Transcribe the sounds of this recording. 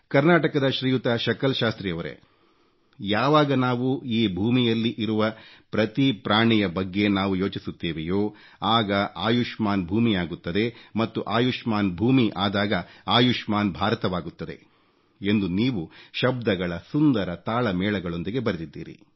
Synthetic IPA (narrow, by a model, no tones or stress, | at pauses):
kɐɾnaːʈɐkɐd̪ɐʃɾiːjut̪aʃɐkɐlʃaːst̪ɾijɐʋɐɾḛ | jaːʋaːɡɐnaːʋuiːbʱuːmijɐlːiʔiɾuʋɐpɾɐt̪ipɾaːɳijɐbɐɡːe̞naːʋujo̞ːt͡ʃisut̪ːeːʋejoː | aːɡɐaːjuʂmaːnbʱuːmijaːɡut̪ːɐd̪e̞mɐt̪ːuʔaːjuʂmaːnbʱuːmiʔaːd̪aːɡɐaːjuʂmaːnbʱaːɾɐt̪ɐʋaːɡut̪ːɐd̪e̞̰ | e̞nd̪uniːʋuʃɐb̚d̪ɐɡɐɭɐsund̪ɐɾɐt̪aːɭɐmɛːɭɐɡɐɭo̞nd̪iɡe̞bɐɾɐd̪id̪ːḭːɾḭ